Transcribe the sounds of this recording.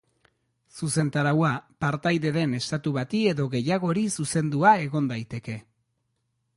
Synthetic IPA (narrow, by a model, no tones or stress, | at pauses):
suse̞nt̪aɾawapaɾt̪ajðe̞ðe̞ne̞st̪at̪uβat̪ie̞ðo̞ɣe̞jaɣ̞o̞ɾisuse̞nd̪uae̞ɣo̞nd̪ajt̪e̞ke̞